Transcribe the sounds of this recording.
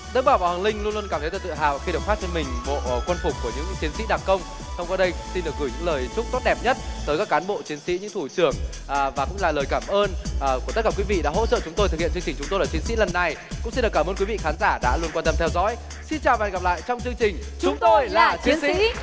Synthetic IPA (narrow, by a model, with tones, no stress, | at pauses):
ɗə˦˥k̚ɓaː˧˩wvaː˨˩wa˨˩lï˧ŋ̟lnlu˧ə˧nkaː˧˩mt̪ʰə˨˦jt̪ːt̪ɨ̰˧˨ɦa̰ː˧˨vaː˨˩xi˧ɗə˨˩w̚faː˦˥t͡ɕɔ˧nmï˨˩ŋ̟vo̰˧˨kwə˧nfʊ˨˩k͡p̚kːu˧˩əɲɨ̰˧˥ŋt͡ɕi˨˦ənsḭ˧˥ɗa˨˩kə˧wŋ͡m | sə˧wŋ͡mkwa˧ɗə˧jsi˧nɗɨ˨˩ək̚ɣɨː˧˩ɲɨ̰˧˥ŋləː˨˩jt͡ɕʊ˦˥k͡p̚t̪o˦˥t̚ɗɛ˨˩p̚ɲə˦˥t̚t̪əː˨˦jkaː˦˥kːaː˨˦nɓo̰˧˨t͡ɕi˨˦ənsḭ˧˥ɲɨ̰˧˥ŋt̪ʰu˧˩t͡ɕɨ˧˩əŋ | ʔvaː˨˩kʊ̰˧˥ŋ͡mlaː˧˨˩ləː˨˩jkaː˧˩mʔəː˧nː˨˩ku˧˩t̪t̚kaː˧˩kwi˨˦vḭ˧˨ɗa̰ː˧˥ɦo̰˧˥t͡ɕə̰˧˨t͡ɕʊ˨˦ŋ͡mt̪o˧jt̪̚ʰhḭ˧˨t͡ɕɨ˧ŋt͡ɕi˨˩ŋ̟t͡ɕʊ˨˦to˧jla˨˩t͡ɕi˨˦ənsḭ˧˥lə˨˩nːa˨˩jkʊ̰˧˥ŋ͡msi˧nɗɨ˨˩kːaː˩mʔəː˧nkwi˨˦vḭ˧˨xaː˨˦nzaː˧˩ɗa̰ː˧˥lu˧ə˧nkwaː˧nt̪ə˧mt̪ʰɛ˧wzɔ̰˧˥j | si˧nt͡ɕaː˨˩wvaː˨˧˩ŋɣa˨˩p̚la̰ː˧˨jt͡ɕɔ˧wŋ͡mt͡ɕɨ˧əŋt͡ɕï˨˩ŋt͡ɕʊ˨˦ŋ͡mt̪o˧jlaaː˨˩t͡ɕi˨˦ənsḭḭ˥˧˥